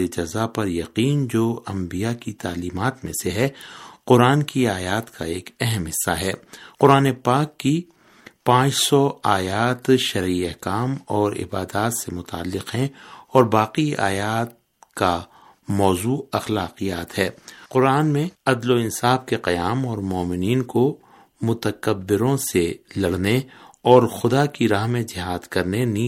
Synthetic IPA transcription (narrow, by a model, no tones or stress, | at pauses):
ed͡ʒɐzapɐɾjɐqiːnd͡ʒoːɐ̃mbijakit̪aːliːmaːt̪mḛ̃seɦɛqʊɾaːnkiaːjaːt̪kʰaeːkɛɦɛmɦɪsːaɦɛːqʊɾaːnepaːkːi | pãːt͡ʃsɔaːjaːt̪ʃɐɾiɛɦkaːmɔːɾɪ̰baːd̪aːt̪semʊt̪a̰ːlːɪqɦɛ̃ɔːɾbaːqia̰ːjaːt̪̚ | ka | mɔːzuːɐxlaːqijaːt̪ɦɛːqʊɾaːnmẽɐd̪loɪ̃nsaːfkeqɐjaːmɔːɾmɔːmɪniːnko | mʊt̪əkəbːɪɾõselɐɽneɔːɾxʊd̪akiɾaːɦmẽd͡ʒɪɦaːd̪kɐɾneni